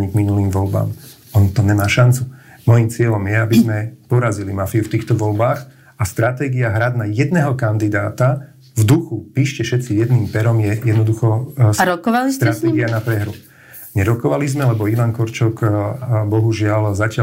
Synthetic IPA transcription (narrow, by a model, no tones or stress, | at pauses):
ɲiɡminuliːmʋɔlba̰ːm | ɔnt̪ɔɲɛmaːʃant͡su | mɔjimt͡sɪɛlɔmjɛabizmɛpɔɾazilimafiuft̪iːxt̪ɔʋɔlbaːɣ | ast̪ɾat̪ɛːɡiaɦɾad̪najɛd̪nɛːɦɔkand̪id̪aːt̪a | vd̪uxupiːʃcɛʃɛt̪t͡sijɛd̪niːmpɛɾɔmjɛjɛd̪nɔd̪uxɔsɾɔkɔʋalist̪ɾat̪ɛɡianapɾɛɦɾu | ɲɛɾɔkɔʋalizmɛlɛbɔiʋankɔɾt͡ʃɔkbɔɦuʒɪalzacɪa